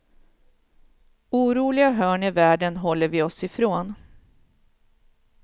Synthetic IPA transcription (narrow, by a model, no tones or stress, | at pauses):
uːɾuːlɪɡaɦœːɳɪvæːɖənɦɔlːəɾvɪɔsɪfɾoːn